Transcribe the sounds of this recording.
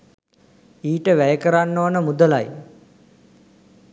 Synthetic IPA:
iːʈəʋæjəkəɾanːoʋnəmud̪əlaj

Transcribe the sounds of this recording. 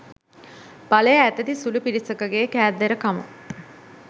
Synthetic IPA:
b̥aləjəæt̪ət̪isulupiɾisəkəɡeːkæːd̪eɾəkamə̰

